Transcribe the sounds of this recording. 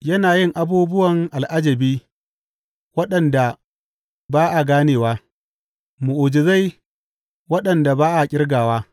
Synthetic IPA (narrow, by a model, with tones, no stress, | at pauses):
jɐ˦naː˨jɪ˦ŋʔa˨buː˦bʊ˦wɐ˨ŋʔa˨lʔa˦d͡ʒɐ˨biː˦ | wɐ˦ɗɐ˨nda˨ | baː˦ʔa˨ɡaː˦neː˨waː˦ | mʊ˨ʔʊ˨d͡ʒɪ˨za˦j | wɐ˦ɗɐ˨nda˨baː˦ʔa˨kʲʼɪ˦rɡaː˨waː˦